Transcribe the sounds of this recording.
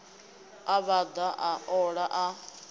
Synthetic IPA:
aβad̪aʔaɔɺaʔa

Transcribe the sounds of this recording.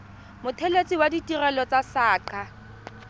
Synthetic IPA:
mʊtʰelet͡sʼiwaditʼirɛlɔt͡sasaːǃa

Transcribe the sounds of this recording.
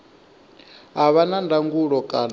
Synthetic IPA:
ɦaβanandʱaŋɡuɺɔkʼan

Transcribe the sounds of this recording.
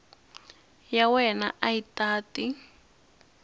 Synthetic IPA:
jawɛna̰ʔaitaːti

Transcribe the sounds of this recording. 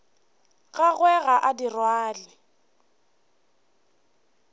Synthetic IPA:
ɣaɣwɛɣaʔadirwaːlɪ

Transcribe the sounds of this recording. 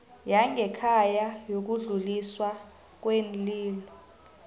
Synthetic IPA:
jaŋʱɛkʰajajok̬uɮuliswa | k̬wenliːlɔ

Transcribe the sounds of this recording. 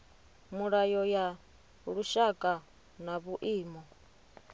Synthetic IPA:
muɺajɔja | ɺuʃakʼa | naβuʔiːmɔ

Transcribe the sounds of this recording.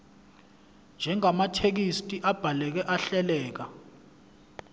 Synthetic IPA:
nd͡ʒʱɛŋamatʰek̬istʼiʔab̥ʱalɛk̬ɛʔaɬɛlɛːk̬a

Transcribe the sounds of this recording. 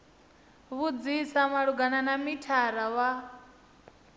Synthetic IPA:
βud͡zisamaɺuɡananamitʰaɾawa

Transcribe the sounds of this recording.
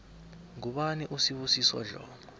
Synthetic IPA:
ŋuɓaniʔusiɓusiswɔ̰ɮɔ̰ːŋ

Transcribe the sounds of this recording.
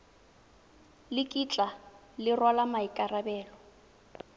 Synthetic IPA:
lɪkʼit͡ɬʼa | lɪrwalamaikʼarabɛːlɔ

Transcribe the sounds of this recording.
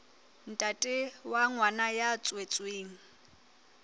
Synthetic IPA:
n̩tʼatʼɪwaŋwanajat͡sʼwet͡sʼweːŋ̩

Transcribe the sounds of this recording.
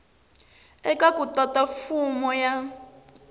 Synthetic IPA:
ɛkakutatafumɔja

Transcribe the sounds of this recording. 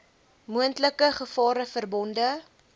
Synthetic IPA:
muəntləkəχəfɑːɾəfərbɔndə

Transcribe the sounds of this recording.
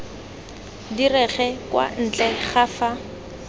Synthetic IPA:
dirɛχɛkwa̰n̩t͡ɬʼɛχafa

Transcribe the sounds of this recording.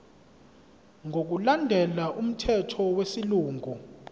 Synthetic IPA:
ŋʱok̬ulandʱɛlaʔum̩tʰɛtʰɔwesiluːŋʱu

